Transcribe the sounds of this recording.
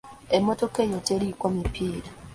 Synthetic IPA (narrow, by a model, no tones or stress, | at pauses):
emotokejoteɾikomipʰiːɾa